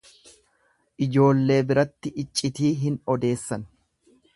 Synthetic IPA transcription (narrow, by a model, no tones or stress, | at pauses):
ʔɪd͡ʒo̞ːlːe̞ːbɪɾɐt̪ːɪʔɪt͡ʃʼːɪt̪iːɦɪnɔd̪e̞ːsːɐn